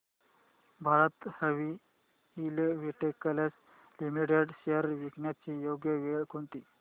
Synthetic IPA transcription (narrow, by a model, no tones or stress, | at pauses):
bʱaɾət̪həʋiː | lʋiʈekːəlas | limiʈeɖɕeəɾʋiknjat͡ɕijoɡjəʋekʰoɳt̪iː